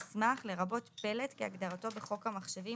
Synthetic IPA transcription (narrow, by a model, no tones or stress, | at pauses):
smaχle̞ʁabo̞tpe̞letkeaɡd̪aʁato̞beχo̞khamaχʃevi